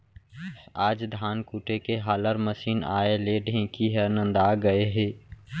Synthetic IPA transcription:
aːd͡ʒd̪ʱaːnkuːʈekeɦaːləɾməsiːna̰ːeleɖʱẽːkiɦɛnə̃nd̪aːɡəeɦeː

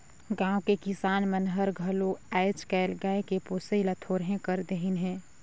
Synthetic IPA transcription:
ɡãːʊ̃kekɪsaːnmənɦəɾɡʱəloɛːɪt͡ʃkɛlɡaːekepoːsəilət̪ʰoːɾɦẽkəɾd̪eɦinɦɛ̃ː

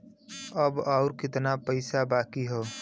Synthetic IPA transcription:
əbaːɾkɪt̪napəɪsabaːkiɦoː

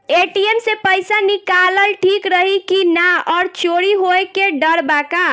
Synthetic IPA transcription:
eʈiemsepəjsanikaləlʈʰikɾəɦikinaɔːɾt͡ʃoɽiɦoekeɖəɾbaka

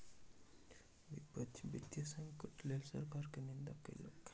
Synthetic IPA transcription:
ʋipət̪bit̪jəsəŋkəʈlelsə̰ɾkaɾkənind̪akḛlə̰k

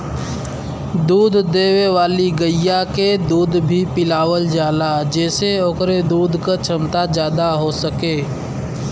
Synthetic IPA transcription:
d̪uːd̪ʱd̪eːweʋaːliɡəjjaked̪uːd̪bʱipɪlaːwəld͡ʒaːlad͡ʒɛːseoːkɾed̪uːd̪ʱkat͡ʃʰəmt̪ad͡ʒjaːd̪aɦosəkeː

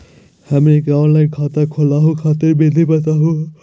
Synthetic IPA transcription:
həmekɔnlaɪnkʰat̪akʰolaɦũkʰat̪eɾbed̪ʱibət̪aɦũ

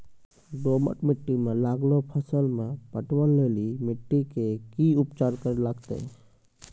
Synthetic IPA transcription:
ɖomə̰ʈmiʈːimelaɡlopʰəsəlmepəʈʋəlːelimiʈːikekiupt͡ʃaɾkəɾelaɡt̪ḛ

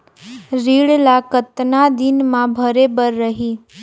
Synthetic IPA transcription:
ɾiɭlakət̪nad̪ɪnmãbʱəɾebəɾːəɦi

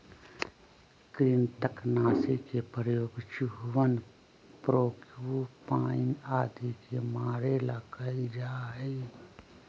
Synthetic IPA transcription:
kɾiːnt̪əknaːsikepɾəjoːɡt͡ʃuɦwən | pɾoːkpaːnaːd̪ʱikemaːɾelakəid͡ʒaːe

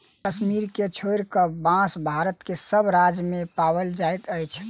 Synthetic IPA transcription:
kəsmiɾket͡ʃʰoɾkəbãsbʱaɾət̪kesəbɾad͡ʒmepabəld͡ʒajt̪əjt͡ʃʰ

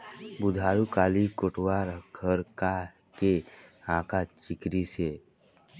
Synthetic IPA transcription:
bʊd̪ʱaːɾukaːlikoʈwaɾɡʰʱəɾka | keãːkʰat͡ʃɪkɾise

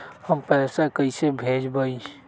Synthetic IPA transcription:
həmpɛːsakəisebʱeːd͡ʒbai

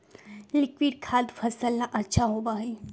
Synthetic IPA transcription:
lɪkwiɖ̚kʰaːd̪fʰɐsəlnaʔɐtːʃʰaɦoːbaːɦi

